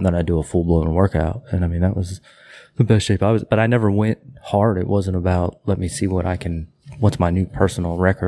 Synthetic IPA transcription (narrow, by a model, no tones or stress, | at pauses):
ðə̃naɪdəəfʊlˠbloʊə̃nwɜ˞ka̰ʊt̚ɨ̃naɪmĩnðɨʔwʌz | ðɨbɛstʃeɪpaɪwʌzb̥ʌɾaɪnɛvə˞wɛ̃nt̚hɑɹɾɨ̰ʔ̚wʌzə̃ntəbaʊt̚lɛt̚misiwʌɾʔaɪkʰɨ̃n | wʌtsmaɪnʉpʰɜ˞sn̩l̩ˠɹɛkə˞